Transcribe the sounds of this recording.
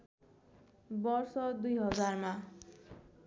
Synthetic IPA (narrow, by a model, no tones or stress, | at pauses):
bʌrsʌd̪ujɦʌd͡zarma